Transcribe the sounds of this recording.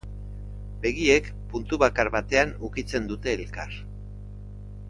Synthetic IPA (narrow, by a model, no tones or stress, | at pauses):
be̞ɣie̞k | punt̪uβakaɾβat̪e̞anukit͡se̞nd̪ut̪e̞ːlkar